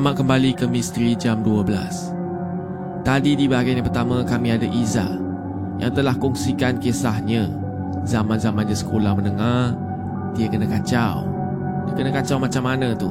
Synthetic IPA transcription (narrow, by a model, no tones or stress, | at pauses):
maʔkəmbalikəmist̪ɾid͡ʒamduabəla̰s | t̪adidibaɡajnɲapərt̪amãkamiadaʔiza̰ʔ | ja̰ŋt̪əlahkɔŋsikankesahɲə̃ | zamãnzamanɲãsə̥kolahmənəŋah | diəkənəkat͡ʃaw | dakənakat͡ʃawmat͡ʃamːanə̃t̪u